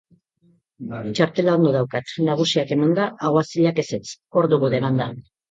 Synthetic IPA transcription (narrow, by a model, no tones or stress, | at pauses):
t͡ʃaɾt̪e̞lao̞nd̪oð̞awkat̪naɣ̞usiake̞mand̪aʔːɣoasiʎake̞se̞t͡so̞ɾðuɣuðemand̪a